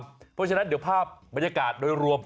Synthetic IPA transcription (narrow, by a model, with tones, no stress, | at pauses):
pʰɔ˦˥t͡ɕʰa˥na˥di˩˦pʰaː˥˩p̚ba˧nja˧kaː˨˩t̪̚doː˧jɾu˧əm